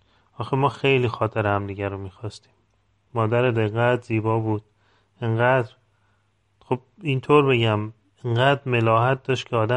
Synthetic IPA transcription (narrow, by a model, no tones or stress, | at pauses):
ɒːxemɒːxejliːxɒːt̪ʰeɾehæmd̪iɟæɾomiːxɒːst̪i̥ːmː | ɒːd̪æɾed̪eɣæt̪z̥iːbɒːbuːd̪̥̚ | eŋɢæːd̪ɾ | xob̥̚int̪ʰoːɾbe̞ɟæm | eŋɢæːd̪ɾmelɒːɦæt̪̚d̪ɒːʃt̪cʰeɒːd̪æ